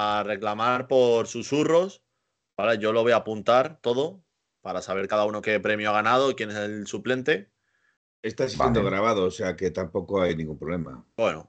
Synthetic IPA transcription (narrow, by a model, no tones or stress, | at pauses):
are̞klamaɾpo̞ɾsusuro̞s | b̥aleʝo̞lo̞β̞o̞japunt̪aɾt̪o̞ð̞o̞ | paɾasaβe̞ɾkaðauno̞ke̞pɾe̞mjoaɣ̞anað̞o̞kje̞ne̞selsuple̞nt̪e̞ | e̞st̪asend̪oɣ̞ɾaβ̞aðoːseake̞t̪ampo̞koajnĩŋɡumpɾole̞ma̰bweno̰